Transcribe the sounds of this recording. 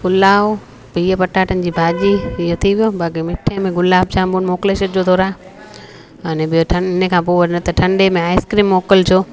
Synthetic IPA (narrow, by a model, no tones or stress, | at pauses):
ɡʊlaːʋ | piːəpɐʈaːʈʰənɪ̆d͡ʑiːbʱaːd͡ʑiɪjot̪ʰiʋijobaːkimɪʈʰẽmẽɡʊlaːb̚t͡ɕʰãːmbunmoːkleːʃəd͡ʑoːt̪ʰoːɾaː | ɐnẽbijoʈʰɐ̃nɪnəkʰãːpoːʋɐɾnɐt̪ɐʈʰɐ̃ɳɖemẽaːɪskɾiːmːoːkəlt͡ɕʰoː